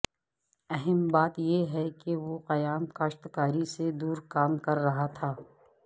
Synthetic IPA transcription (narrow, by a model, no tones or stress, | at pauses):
ɛɦɛmbaːt̪jeɦɛkeʋoqɐjaːmkaːʃt̪kaːɾised̪uːɾkaːmkɐɾːɐɦat̪ʰaː